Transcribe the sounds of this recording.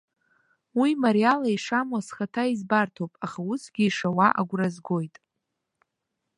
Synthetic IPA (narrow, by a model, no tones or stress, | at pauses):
wimaɾialaiʂamwasχatʰaizbartʰowpʼaχausɡʲiːʂawaʔa̰ɡʷrazɡo̞jtʼ